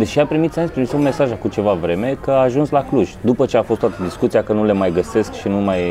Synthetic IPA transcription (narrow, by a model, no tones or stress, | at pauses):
d̪eʃiapɾimit̪saenʲpɾimsomme̞saʒakut͡ʃe̞vavɾe̞me̞kəaːʒunslakluʒd̪upət͡ʃe̞afost̪wat̪əd̪iskut̪siakənule̞majɡəse̞skʃinumaj